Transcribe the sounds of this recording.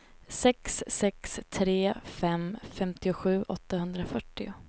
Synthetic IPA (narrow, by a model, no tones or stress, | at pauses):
sɛksːɛkst̪ʰɾeːfɛmfɛmt̪ɪʊɧʉ̟ːʔɔt̪ːahɵnd̪ɾafœʈːɪʊ̰